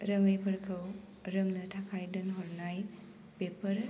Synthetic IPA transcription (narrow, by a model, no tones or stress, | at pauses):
ɾəŋɯjpʰɐɾkʰɯw | ɾɐmnɐtʰakʰajdɐnɦɔɾnaj | pepɐɾ